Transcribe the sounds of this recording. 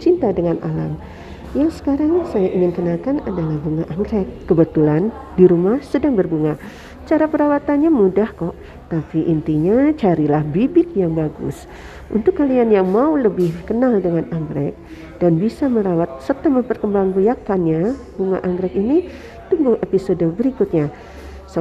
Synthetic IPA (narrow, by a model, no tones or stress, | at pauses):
t͡ʃint̪adəŋanʔala̰m | jaŋsə̥kaɾaŋsajaʔiŋɪnkənakanadalahbuŋaʔaŋɡɾɛk̚ːəbət̪ulan | diɾumahsədaŋbərbuŋa | t͡ʃaɾapəɾawat̪anɲamudahkɔʔ | t̪apiʔint̪iɲat͡ʃaɾilahbibɪt̪̚jaŋbaɡʊ̰s | ʔunt̪ʊkːalianjaŋmauləbɪhkənaldəŋanaŋɡɾɛk̚ | d̥anbisaməlawat̪̚sət̪aməmpərkəmbaŋbujakanɲa | b̥uŋa̰ʔaŋɡɾɛkini | t̪uŋɡʊŋepisodəbəɾikut̪̚ɲa | s